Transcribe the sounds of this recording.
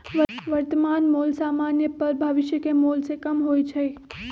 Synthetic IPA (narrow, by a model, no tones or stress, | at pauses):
ʋəʋɐɾt̪əmaːnmuːlsaːmaːnjəpɐɾbʱɐʋɪʃjəkemoːlsekɐmɦoːit͡ʃʰe